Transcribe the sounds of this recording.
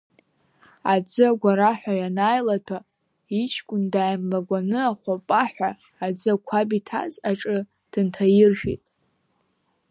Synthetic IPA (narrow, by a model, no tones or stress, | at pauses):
ad͡zɨaɡʷaɾaħʷᶣajanajlatʰa | it͡ʃʰkʷʼʊndaːjmlaɡʷanɨaχʷapʼaħʷᶣaː | d͡zɨakʷʰabitʰa̰zaʈ͡ʂʼɨ | d̥ɨntʰajɪrʒᶣḭtʼ